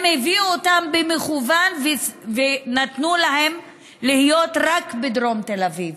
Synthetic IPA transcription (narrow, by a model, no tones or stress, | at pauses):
mheviuotambemeχuvanvvenatnulahe̞m | lihijo̞t̪ʁakbed̪ʁo̞mt̪elaviv